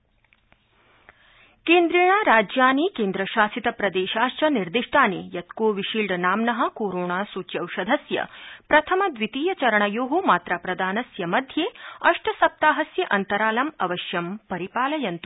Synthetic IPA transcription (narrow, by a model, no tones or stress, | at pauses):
keːnd̪ɾiːɳ̃aːɾaːd͡ʒjaːniːkeːnd̪ɾɐʃaːsit̪ɐpɾɐd̪eːʃaːʃt͡ʃɐniɾd̪iʂʈʰaːniːjɐt̪koːʋiʃiːlɖnaːmnɐɦɐ̆koːɾoːɳaːsuːt͡ʃjɐwʃɐd̪ʱɐsjɐ̰pɾɐt̪ʰɐmɐd̪ʋit̪iːjɐt͡ʃɐɾɐɳɐjoːɦomaːt̪ɾapɾɐd̪aːnɐsjɐmɐd̪ʱjeːɐʂʈʰɐsɐp̚t̪aːɦɐsjɐʔɐnt̪ɐɾaːlɐmɐʋɐʃjɐmpɐɾipaːlɐjɐnt̪u̥